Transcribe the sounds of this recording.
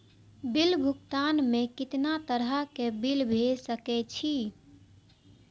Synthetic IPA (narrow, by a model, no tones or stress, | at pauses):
bilbʱʊkt̪anmẽkɪt̪nat̪əɾəkebilbʱesəkɛt͡ʃʰi